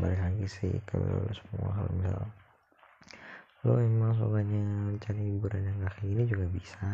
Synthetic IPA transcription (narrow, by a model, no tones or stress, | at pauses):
baliklaɡisɪ̰kabɛ̰la̰losəmua̰ɦa̰l̰misa̰l | loemaŋs̬o̰ɡaɲamt͡ʃanihibuɾanjaŋakiinid͡ʒuɡabisa